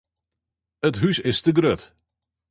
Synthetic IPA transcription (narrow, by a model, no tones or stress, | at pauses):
ətɦysɪstəɡrøt